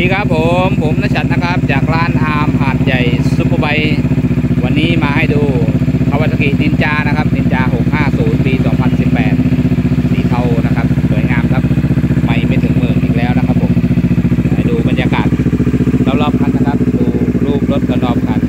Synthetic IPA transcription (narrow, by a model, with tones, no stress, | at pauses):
diː˧˩kʰɾa˦˥pʰːo˨˦mpʰo˨˦mnaː˦˥t͡ɕʰa˨˧˩t̪̚na˦˥kʰa˦˥p̚t͡ɕaː˨˩k̚ɾaː˥˩nʔaː˧mɦaː˨˩t̪̚ja˨˩jsu˧˥pʰːo˧ba˧j | wa˧nːiː˦˥˩maː˧ha˥˩jduː˧pʰa˧wa˨˧t̪ʰːa˧ki˨˩t̪̚di˧nt͡ɕaː˧na˦˥kʰa˦˥p̚di˧nt͡ɕaː˧ɦo˨˩k̚haː˥˩suː˩˦npiː˧sɔː˩˦ŋpʰa˧nsi˨˩pːɛ̰ː˨˩t̪̚siː˨˩t̪ʰa˧˩wna˦˥kʰa˦˥p̚su˨˩˦əjŋaː˧mkʰa˦˥p̚ma˧˩jma˧˩t̪ʰɯ˩˦ŋmɯ˨˩əŋʔiː˨˩k̚lɛː˦˥wna˦˥kʰa˦˥pʰːo˩˦mha˧˩jduː˧ba˧njaː˧ka̰ː˨˩t̪̚la˦˧˩lɔː˧˥˩p̚kʰa˧nːa˦˧˩kʰa˦˥p̚duː˧ɾuː˥˩p̚lo˦˥t̪̚lɯ˧˩t̪lɔː˦˥˩p̚kʰa˧˩n